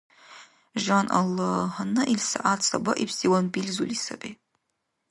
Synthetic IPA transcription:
ʒanʔa̰lːahanɨʔilsa̰ʔatʰsabaʔipʰsiwanbilzulisabe

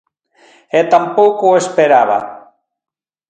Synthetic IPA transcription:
et̪ampowkoespeɾaβa̰

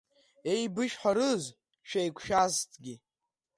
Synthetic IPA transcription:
e̞jbɨʃħʷaɾɨz | ʃᶣejkʷʰʃaztʰʼɡʲi

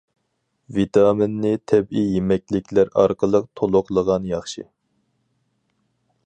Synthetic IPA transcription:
vit̪ʰɑmɪnːɪt̪ʰɛbijemɛkʲlɪkʲlæɾɑ̰ɾqəlˠəqt̪ʰolˠʊqlˠəʁɑnjɑχʃɨ̰

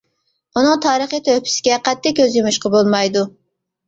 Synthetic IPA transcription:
unɨŋt̪ʰɑːɾəχijt̪ʰøhpʰɪ̥sɪ̥ɡʲɛqɛt̪ːɪkʲːøzjymuʃqɑbolˠmɑjd̪u

